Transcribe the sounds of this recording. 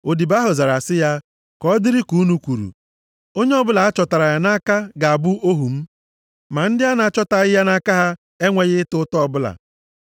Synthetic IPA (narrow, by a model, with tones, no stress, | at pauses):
o˨di˨ba˦ɦʊ˨za˨ɾa˨sɪ˦ja˦ | kɔ˦dɪ˦ɾi˦ku˨˦nu˦kʷu˨ɾṵ˨ | o˦ɲe˦ɔ˦bʊ˦la˨a˦t͡ʃɔ˨ta˨ɾa˨ja˨na˦ka˦ɡa˨a˨bʊ˦o˦ɦu˨m̩˦ | ma˨n̩˦dɪ˦a˦na˨a˦˨t͡ʃɔ˦ta˨ɣɪ˦ja˦na˦ka˦ɦa˦ | e˦ŋʷe˨ɣɪ˦tʊ˦tɔ˦ɔ˦˨bʊ˦la̰˨